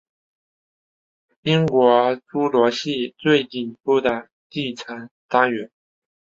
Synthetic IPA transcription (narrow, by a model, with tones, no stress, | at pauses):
i˥ŋkwɔ˧˥ʈ͡ʂu˥lwɔ˧˥ɕi˥˧t͡swe˥˩ɪt̪i˨˩pu˥˩d̪ə˩ | t̪i˥˩t͡sʰa˧˥nt̪a˥ŋɥɛ˧˥n